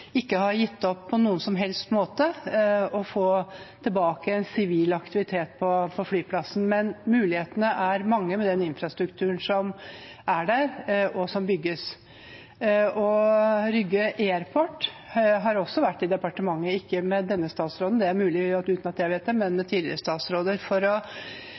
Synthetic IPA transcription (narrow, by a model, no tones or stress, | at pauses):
ɪkːəhɑɾjɪt̪ːɔpʰːɔnuːənsɔmɦɛlst̪moːt̪əɔfoːt̪ʰɪlbɑːkəɛnsɪʋiːlɑkt̪ɪʋɪt̪ʰeːt̪̚pʰɔpʰɔflyːpʰlɑsn̩mɛnmʉːlɪheːt̪ənəʔæɾmɑŋːəmɛd̪ɛnɪnfɾɑst̪ɾʉkt̪ʰʉːɳsɔm | ʔæɖæɾɔsɔmbʏɡːəs | ɔɾʏɡːəʔeːɾpʰɔʈː | ɦɑɾɔsːɔʋæʈːɪd̪ɛpɑʈəmɑŋːəɪkːəmɛd̪ɛnːəst̪ɑːt̪sɾoːd̪nd̪ɛæɾmʉːlɪʉːt̪nɑt̪jæɪʋeːt̪̚d̪ɛmɛnmɛt̪ʰiːd̪lɪ̰ɾəst̪ɑːt̪sɾoːd̪əɾfɔɾɔ